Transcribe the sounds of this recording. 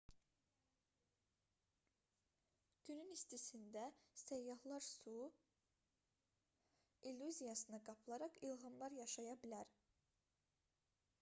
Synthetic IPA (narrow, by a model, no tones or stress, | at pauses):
ɟ̥ynynist̪ʰisind̪æsæjːɑhlˠɑɾsu | ilʲːuzijɑsɯnɯɡɑpʰlˠɑɾɑχilˠɦɯmlˠɑɾjɑʃɑjɑbilæɾ